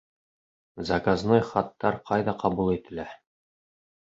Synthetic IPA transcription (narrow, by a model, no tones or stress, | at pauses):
zɑkaznojχɑt̪ːɑɾqʰɑjðɑqɑbulˠit̪ɘ̆læ